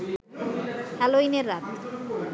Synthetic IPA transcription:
hɛloineɾːat̪

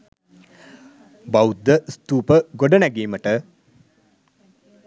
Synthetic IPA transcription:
bawud̪ːəst̪uːpəɡoɖənæɡiːməʈə

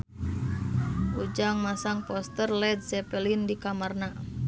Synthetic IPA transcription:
ud͡ʒaŋmasaŋpɔst̪ərlɛd̚sɛpɛlindikamarna

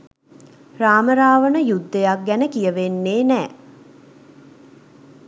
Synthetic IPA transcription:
raːməɾaːʋənəjud̪ːejak̚ɡænəkijəʋenːeːnæː

